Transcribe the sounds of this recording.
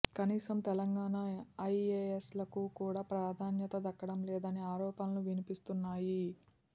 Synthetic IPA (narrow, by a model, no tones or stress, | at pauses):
kɐniːsɐmt̪ɛlɐŋɡaːnaɐjeeslɐkukuːɽaːpɾaːd̪ʱaːnjɐt̪ɐd̪ɐkːɐɽɐmlɛːd̪ɐniaːɾɔːpɐnɐluʋinipist̪unːaːji